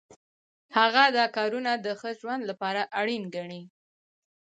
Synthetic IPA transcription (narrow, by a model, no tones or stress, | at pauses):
haɣad̪ɑkɑɾunad̪əxəʒwand̪lapɑɾaʔaɽinɡaɳi